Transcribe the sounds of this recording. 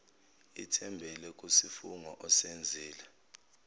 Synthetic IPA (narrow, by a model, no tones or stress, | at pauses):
itʰɛmbʱɛlɛk̬ʼusifuŋɔʔɔsend͡zʱiːlɛ